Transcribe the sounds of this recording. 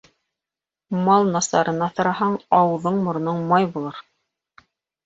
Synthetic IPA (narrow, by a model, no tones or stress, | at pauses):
mɑlˠnɑsɑɾɤ̆nɑθɤ̆ɾɑhɑɴɑwɤ̆ðɤɴmŏɾnɤɴmɑjbulˠɤɾ